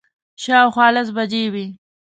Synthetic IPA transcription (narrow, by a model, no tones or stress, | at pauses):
ʃɑwxwɑːlas̬bad͡ʒewi